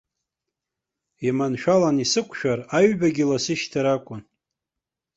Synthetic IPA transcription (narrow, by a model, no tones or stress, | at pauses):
imanʃᶣalanisɨkʷʰʃᶣaraɥbaɡʲɪlasɨʃtʰaɾakʷʼʊn